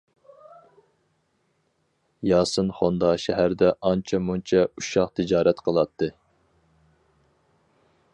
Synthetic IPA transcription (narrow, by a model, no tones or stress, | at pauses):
jɑːsɨnχond̪ɑʃɛɦæɾd̪ɛʔɑnt͡ʃʰɛmunt͡ʃʰɛuʃɑqt̪ʰɪd͡ʒɑːɾɛt̪qʰəlˠɑt̪ʰːɨ